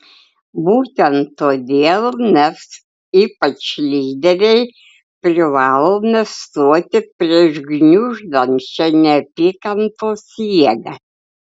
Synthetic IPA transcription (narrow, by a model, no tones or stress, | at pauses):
buːt̪ʲɛnt̪ːoːd̪ʲeːlˠmʲɛs | iːpɐt͡ʃlʲiːd̪ʲɛɾʲɛɪ | pʲɾʲɪʋɑːlˠoːmʲɛst̪uɔt̪ʲɪpʲɾʲiɛʒɡnʲʊʒd̪ɐmʲt͡ʃʲɛnʲɛpʲɪkɐnt̪oːsʲiɛɡɐ